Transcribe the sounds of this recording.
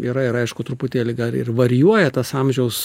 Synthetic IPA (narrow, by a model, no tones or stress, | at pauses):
iːɾɐɪɾɐɪʃkʊt̪ɾʊpʊt̪ʲeːlʲɪɡɐlˠɪ̰rʋɐɾʲjuɔjɛt̪ɐsɑmʲʒʲɛʊs